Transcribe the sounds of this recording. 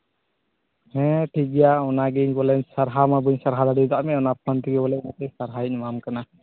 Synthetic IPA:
hɛ̃ʈʰikɛjaɔnaɡɛɲbɔlɛɲsaɾɦamabuɲsaɾɦad̪aɽid̪aʔmɛɔnap̚ant̪ʰiɡɛbɔlɛnat̪ɛsaɾɦaic̚ˀmamkana

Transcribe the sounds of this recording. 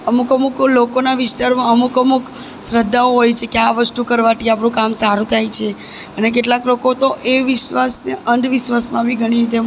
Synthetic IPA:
əmukəmuklokonaʋɪsʈ̪aɾmãəmukəmuk | sɾəd̪ːaoɦojt͡ʃʰekeaʋəst̪ũkəɾʋat̪ʰiapɳ̃ũkamsaɾũt̪ʰajt͡ʃʰe | ənek̬eʈlaklokot̪oʔeʋɪʃʋasneəɳɖ̪ʋɪʃʋasmãbʱiɡʱəɽ̃iɾit̪e

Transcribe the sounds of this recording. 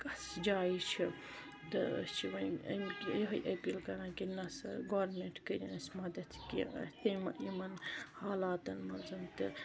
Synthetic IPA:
kɐsd͡ʒaːit͡ʃʰi | t̪ɨ̰st͡ʃʰiʋɐjɐ̰mkjɦɐjʔɐpʲilkɐɾãːkinɐsɐ̰ɡoːɾmeɳʈkəɾʲinɐsʲmɐd̪ɐt̪kḭɐ̰t̪ɐmɐimɐnhaːlaːt̪ɐnmɐnzɐmt̪ɨ

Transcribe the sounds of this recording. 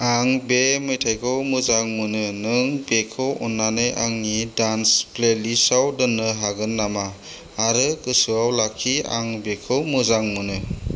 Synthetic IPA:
aŋbemɯjtʰajkʰɯwmɯzaŋmɯnɯnɯŋbekʰɯwɔnːanejʔaŋːidansplelisawdɯnːɯɦaɡɯnːamaː | ɾɯkɯsɯawlakʰːia̰ŋbekʰɯwmɯzaŋmɯnɯ

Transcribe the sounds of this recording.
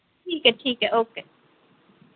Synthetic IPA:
ʈʰiːkɛʈʰiːkɛʔoːke

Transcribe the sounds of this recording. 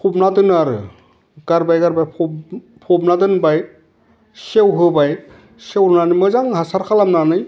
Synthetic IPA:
pʰub̚nadɯnaɾɯ̰ | ɡ̥aɾbajɡaɾbajpʰ | pʰɔbnadɯnbaj̚ | sewɦɯbaj | sewɾnanɯjmɯzaŋɦasaɾkʰalamnanɯj

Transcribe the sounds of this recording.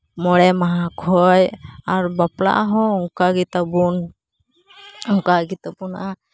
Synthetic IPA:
mɔɽɛmaɦakʰɔjaɾbapla̰ɦɔ̃uŋkaɡit̪abun | uŋkaɡit̪abuna

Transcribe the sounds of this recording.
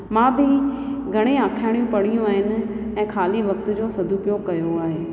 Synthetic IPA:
mãːbʱɪ | ɡʱɐɽ̃ẽaːkʰaːɽijũpɐɽ̃ijũaːɦɪnɪ̆ | ɛ̃ːkʰaːliʋɐk̚t̪ʊ̆d͡ʑoːsɐd̪ʱuːpjoːɡkɐjoaːɦeː

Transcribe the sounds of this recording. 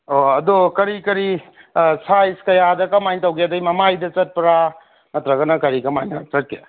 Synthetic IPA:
oɐdokɐɾikɐɾi | sajskɐjadɐkɐmajŋtɐwɡeɐdɐjmɐmajdɐt͡ʃɐt̚pɐɾa | mɐtɾɐɡɐnɐkɐɾikɐmajnɐt͡ʃɐt̚kḛ

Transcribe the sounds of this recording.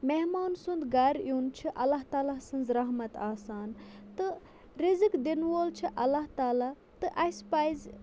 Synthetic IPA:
meɦmaːnsund̪ɡɐɾjunt͡ʃʰiʔɐlːaɦt̪aːlasɨnzɾɐɦmɐt̪aːsaːnt̪ɨ | ɾizɨkd̪inʋoːlt͡ʃʰiʔɐlːaɦt̪aːla | t̪ɨʔɐspɐjz

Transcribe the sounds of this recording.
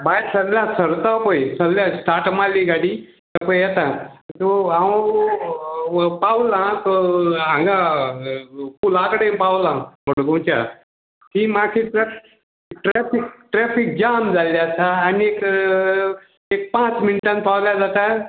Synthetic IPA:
baiɾsəɡlãsəɾt̪apəjsəɡljasʈ̪aʈmalːiɡaɽi | t̪əpəjjɛt̪ãt̪oaw | pawlãk̪oãŋɡã | kulakəɽẽpawlãməɽɡõwt͡ɕa̰ | himakʰiʈɾɛ | ʈɾɛfikʈɾɛfik̚d͡ʑamd͡zalːjasaːniek | ek̚pãt͡sminʈãnt̪̚pawljad͡zat̪a

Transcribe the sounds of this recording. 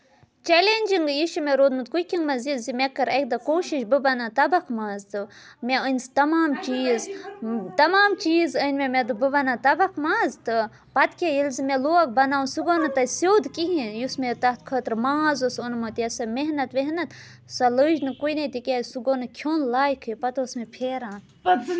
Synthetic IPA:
t͡ʃelenʲd͡ʒiŋɡiʃumeɾoːd̪mɨt̪̚kujkʲiŋɡmɐzizimʲekːɐɾɐk̚d̪ɐkoːʃiʃbɨbɐnat̪ɐbɐkʰmaːzt̪ɨ | mʲeənʲst̪ɐmaːmt͡ʃiːzt̪ɐmaːmt͡ʃiːzənʲmemed̪ɨbɨbɐnat̪ɐbɐkʰmaːzt̪ɨ | pɐt̪kʲejilzimeloɐk̚bɐnaːunsuɡoːnɐt̪ɐsoːd̪kiɦĩnjusmet̪ɐt̪kʰəːt̪ɾmaːzosonmɐt̪jɐsɐmeɦnɐt̪ʋeɦnɐt̪ | sɐləːd͡ʒnɨkujnɐt̪ikʲesuɡoːnɨkʲʰjoːnlaːjkʰɨpɐt̪osmepʰeːɾaːn

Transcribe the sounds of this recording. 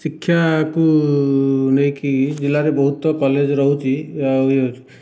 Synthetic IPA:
sikʰːjaku | nʌjkid͡ʒilːaɾebɔɦut̪ɔkɔled͡ʒɾɔɦwt͡ʃʰiajo

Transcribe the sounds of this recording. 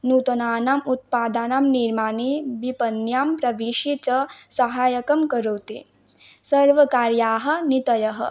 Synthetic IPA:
nuːt̪ɐnaːnaːmut̪̚paːd̪aːnaːmniɾmaːneːbipɐnjaːmpɾɐʋiʃit͡ʃɐsɐɦaːjɐkɐmkɐɾowt̪ḛː | sɐɾʋɐkaːɾjaːɦɐ̆nit̪ɐjɐɦɐ̰

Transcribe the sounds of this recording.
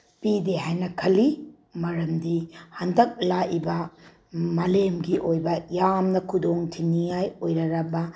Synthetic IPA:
pideɦajnɐkʰɐlːi | mɐɾɐmdihɐndɐk̚laʔibɐ | mɐlemɡiʔojbɐjamnɐkʰudoŋtʰinijajojɾɐɾɐbɐ

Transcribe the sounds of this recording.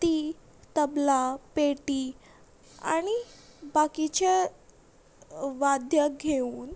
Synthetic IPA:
t̪iː | t̪əblapeʈiː | a̰ɽ̃ibakit͡ɕa | ʋad̪ʱjaɡʱeuːn

